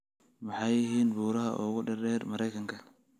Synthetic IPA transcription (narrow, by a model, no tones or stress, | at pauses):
mɑħɑjɪɦiːnbuːɾɐɦɐ̰ʔʊɣʊɖɐɾɛːrmɐɾɛjkʰɐŋkʰɐ